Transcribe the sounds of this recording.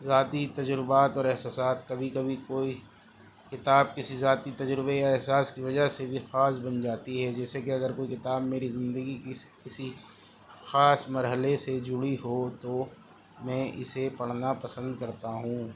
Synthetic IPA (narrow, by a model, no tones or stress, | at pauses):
zaːt̪it̪ɐd͡ʒɾɪbaːt̪ɔːɾɛɦsaːsaːt̪kɐbʱikɐbʱikoːi | kɪt̪aːb̚kɪsizaːt̪it̪ɐd͡ʒɾɪbejaɛɦsaːskiʋɐd͡ʒaɦsebʱixaːs̬bɐnd͡ʒaːt̪iɦɛd͡ʒɛːsekeɐɡəɾkoːikɪt̪aːbmeːɾizɪ̃nd̪əɡikkɪsi | xaːsmɐɾɦəlesed͡ʒʊɽiɦot̪o | mɛ̃ːʔɪ̰sepɐɽ̤napɐsə̃nd̪kɐɾt̪aɦũː